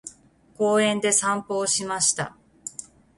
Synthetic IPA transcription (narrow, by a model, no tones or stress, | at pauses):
ko̞ːẽ̞nd̪e̞sãmpo̞ːɕimaɕi̥t̪a̰